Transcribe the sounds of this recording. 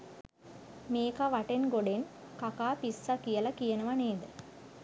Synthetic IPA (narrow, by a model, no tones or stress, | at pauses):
meːkaʋaʈenɡoɖen | kakaːpisːakijəlɐkijənəʋaneːd̪ə